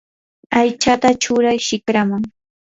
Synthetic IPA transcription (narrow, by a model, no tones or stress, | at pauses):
ajt͡ʃat̪at͡ʃʊɾajʃɪkɾamaŋ